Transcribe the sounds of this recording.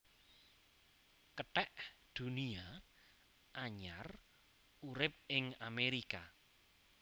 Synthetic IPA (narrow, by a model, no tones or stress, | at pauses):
kəʈɛʔd̪̥ṳnia | ʔaɲar | uɾɪp̚ɪŋameɾika